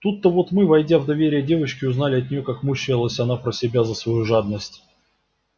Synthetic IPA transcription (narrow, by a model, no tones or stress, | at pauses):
t̪ut̪ːəvo̞t̪mɨvɐjdʲavd̪ɐvʲeɾʲɪjədʲe̞vəɕkʲɪʊznalʲɪɐt̪ʲnʲɪjo̞kakmuɕɪlˠəsʲɐnapɾəsʲɪbʲazəsvɐjuʐad̪̚nəsʲtʲ